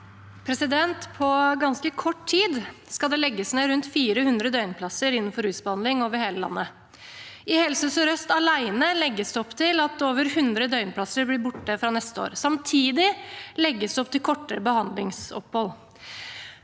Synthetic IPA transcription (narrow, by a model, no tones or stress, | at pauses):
pʰɾɛsɪd̪ɛnt̪pʰɔɡɑnskəkʰɔʈtʰiːd̪skɑd̪ɛlɛɡːəsneːɾʉnt̪fiːɾəhʉnd̪ɾəd̪œʏnpʰlɑsəɾɪnːn̩fɔɾʉːsbəhɑnd̪lɪŋoːʋəɾheːləlɑ̰nːə | ɪhɛlsəsɔɾœst̪ɑlæɪnəlɛɡːəsd̪ɛɔpːt̪ʰɪlɑt̪oːʋəɾhʉnd̪ɾəd̪œʏnpʰlɑsəɾblɪbʊʈːəfɾɑnɛst̪əo̰ːɾsɑmt̪ʰiːd̪ɪlɛɡːəsd̪ɛɔpt̪ɪlkʰɔʈːəɾəbəhɑnd̪lɪŋsɔ̰phɔl